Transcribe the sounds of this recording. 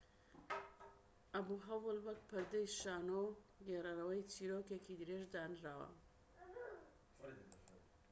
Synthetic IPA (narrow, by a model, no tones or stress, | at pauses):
ʔɐbuɦɐwɨlbɐk̚pʰɨɾd̪ɐjʃaːnowɡerɐɾɐwɐjt͡siːɾokekid̪ɨɾeʒd̪aːnɾaːwɐ̰